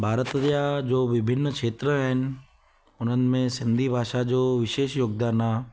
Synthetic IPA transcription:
bʱaːɾət̪jad͡ʑoːʋɪbʱɪnːkʃeːt̪ɾəaːɦɪnɪ̆ | ʊn̤ənɪ̆mẽsɪ̃nd̪ʱibʱaːʃad͡ʑoːʋɪʃeːʃjoːɡ̚d̪aːnaː

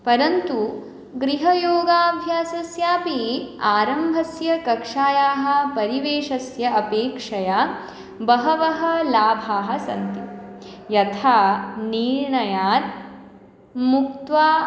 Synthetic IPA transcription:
pɐɾɐnt̪u | ɡɾiɦɐjoːɡaːbʱjaːsɐsjaːpiaːɾɐmbʱɐsjɐkɐkʂaːjaːɦɐ̆pɐɾiʋeːʃɐsjɐɐpeːkʂɐja | bɐɦɐʋɐɦɐ̆laːbʱaːɦɐ̆sɐ̰nt̪i | jɐt̪ʰaːniɾɳɐjaːɾ | muk̚t̪ʋaː

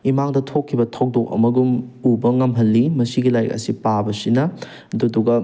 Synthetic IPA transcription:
imaŋdɐtʰokʰːibɐtʰok̚dok̚ɐ̰mɐɡumubɐŋɐmɦɐlːimɐsiɡilajkɐ̰sipabɐsinɐ | ɐduduɡɐ

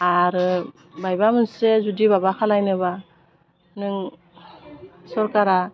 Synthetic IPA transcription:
aɾ | bajbamɯnsezudibabakʰalajnɯba | nɯŋ | sɔɾkaɾa

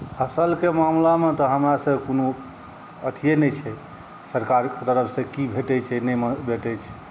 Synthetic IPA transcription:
pʰəsəlkemamlamet̪ɔɦəmɾasəbkono | ət̪ʰijenɛt͡ʃʰɛ | səɾkaɾket̪əɾəpʰsẽkibʱeʈɛt͡ʃʰɛnɛməbʱeʈɛt͡ʃʰ

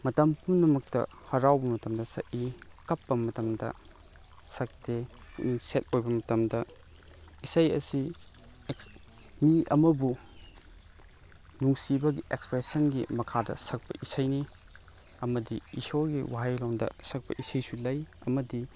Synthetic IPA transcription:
mɐtɐmpumnɐmɐk̚tɐ̰ | hɐɾawbɐmɐtɐmdɐsɐ̰ʔi | kɐpːɐmɐtɐmdɐ̰ | sɐk̚te | set̚ojbɐmɐtɐmdɐ | isɐjɐ̰si | miɐ̰mɐbu | nuŋsibɐɡiʔekspɾesɐnɡimɐkʰadɐ̰sɐk̚pɐ̰ʔisɐjni | ɐmɐdiisoɡiwaɦɐjlawndɐ̰sɐk̚pɐ̰ʔisɐjsulɐj | ɐmɐdi

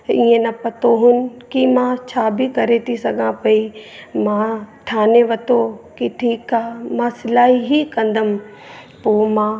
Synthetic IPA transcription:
iːẽnɐpɐt̪oɦʊnɪ̆kimãt͡ɕʰaːbʱikɐɾet̪ʰisɐɡʱãpɐimãʈʰaːneʋɐt̪okiʈʰiːkaːmãsɪlaːɦiɦikɐ̃nd̪ʱəm | poːmãː

